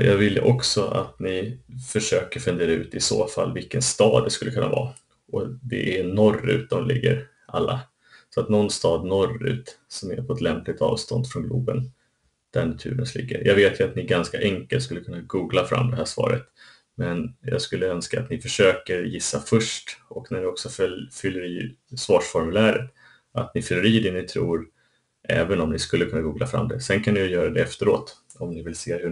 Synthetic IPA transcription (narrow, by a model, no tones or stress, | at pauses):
jɑːɡvɪlːə̰ʔɔksɔa̰t̪nɪfœʂøːkəɾfɵnd̪eːɾaʉ̟ːt̪ɪsoːfalːvɪlkənst̪ɑːd̪ːɛskɵlːəkʰɵnːa̰vɑː | ʔɔd̪ɛ̰ʔænɔrːʉ̟̰ːt̪̚d̪ɔmlɪɡːə̰ɾ | ʔalːa | sɔat̪nɔnːst̪ɑːd̪nɔrʉ̟̰ːt̪sɔmæɾpʰɔɛt̪lɛmplɪɡ̚t̪ɑːvst̪ɔnd̪fɾɔnɡluːbən | d̪̥æɳat̪ʰʉ̟ːɾənslɪ̰ɡːə̰ɾjʔɑɡveːt̪jɵat̪nɪɡanskaʔɛŋkəlt̪skɵlːəkʰɵnːaɡuːɡlafɾa̰mːd̪ɛɦæːʂvɑ̰ːɾət̪ | mɛnjɑ̰ːɡskɵlːəœnskaːt̪nɪfœʂøːkəɾjɪsːafœʂʈɔknæɳɪɔksɔfœlfʏlːəɾiːsvɑːʂfɔɾmɵlæːɾət̪ | at̪nɪfʏlːəɾiːd̪ɛnɪt̪ʰɾṵːɾ | ʔɛ̰ːvənɔmnɪskɵlːəkʰɵnːaɡuːɡlafɾa̰mːd̪ɛsɛnkʰanːɪjjœːɾad̪ɛɛft̪əɾoːt̪ | ɔmnɪvɪlseːhɵ